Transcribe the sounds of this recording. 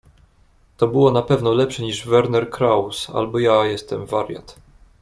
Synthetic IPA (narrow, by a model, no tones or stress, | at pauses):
t̪ɔbɘwɔnapɛvnɔlɛpʂɛɲiʐvɛɾnɛɾkɾawsa̰lbɔjajɛst̪ɛmvaɾʲja̰t̪